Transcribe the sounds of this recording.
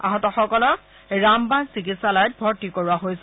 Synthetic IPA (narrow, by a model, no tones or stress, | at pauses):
a̰ɦɔtɔxɔkɔlɔ | ɹambansikitsalajt̚bʱɔɹtikoɹuaɦojs